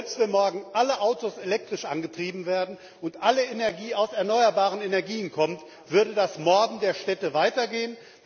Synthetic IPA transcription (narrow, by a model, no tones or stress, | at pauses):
lpstvɛnmɔɐɡŋ̩ʔaləʔaʊtoselɛk̚tʁ̥ɪʃʔa̰nɡətʁ̥iːbm̩veːɐdn̩ | ʊntʔaləʔenɛɐɡiːaʊsɛɐnɔʏɐbaːʁ̞ənenɛɐɡiːənkʰɔmt | v̥ʏɐdədasmɔɐdn̩deːɐʃtɛtəvaɪtɐɡeːən